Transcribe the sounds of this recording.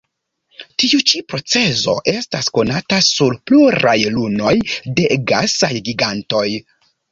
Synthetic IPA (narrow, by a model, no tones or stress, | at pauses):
tiut͡ʃipɾo̞t͡se̞zo̞̰ʔe̞stasko̞natasulpluɾajluno̞jde̞ɡa̰sajɡiɡanto̞j